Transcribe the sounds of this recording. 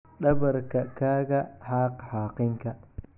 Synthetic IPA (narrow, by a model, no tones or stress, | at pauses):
ɗɐβɐrkʰɐkʰaːɣɐħɑːqħɑːqɪŋkʰɐ